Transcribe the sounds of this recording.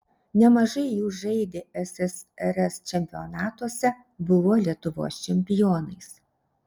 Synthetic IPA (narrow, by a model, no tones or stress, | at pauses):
nʲɛmɐʒɐɪjuːʒɐɪd̪ʲeɛsʲɛsɛɾɛst͡ʃʲɛmʲpʲɪonɑːt̪uɔsʲɛ | bʊʋoːlʲiɛt̪ʊʋo̰ːst͡ʃʲɛmʲpʲɪjoːnɐɪs